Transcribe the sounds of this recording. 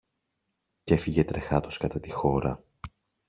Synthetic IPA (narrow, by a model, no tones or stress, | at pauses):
ce̞fiʝe̞t̪ɾe̞xɐt̪oskɐt̪ɐt̪ixo̞ɾɐ̰